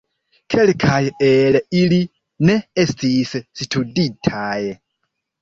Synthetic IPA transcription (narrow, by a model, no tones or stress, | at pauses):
kʰe̞lkʰajelili | ne̞estʰissitʰuditʰaj